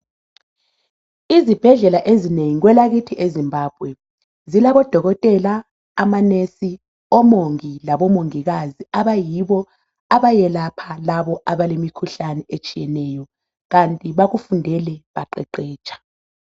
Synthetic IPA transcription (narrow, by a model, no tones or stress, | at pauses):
izib̥ʱɛɮɛlaʔezineŋiɣwɛlaɣitʰiʔezimbʱaːb̥̚ʱwɛ | zilaβɔd̥ʱɔɣɔtʼɛlaː | manesi | ɔmoŋilaβɔmoŋiɣaziaβajiβɔ | aβajɛlapʰalaβɔʔaβalemikʰuɬanɛet͡ʃʼijɛnɛjɔ | ɣantʼiβaɣufundʱɛlɛβaǃɛǃɛːt͡ʃʼḁ